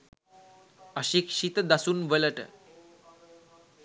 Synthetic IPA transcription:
əɕikʂit̪d̪asuːnʋələʈə

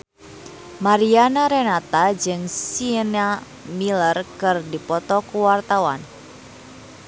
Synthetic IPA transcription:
maɾianaɾenat̪ad͡ʒɨŋsina | milərkɨrdipɔt̪ɔkuwart̪awa̰n

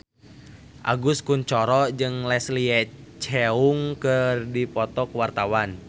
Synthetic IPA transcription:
ʔa̰ɡuskuɲt͡ʃɔɾɔd͡ʒɨŋlɛsliɛt͡ʃɛuŋkɨrdipɔt̪ɔkwart̪awan

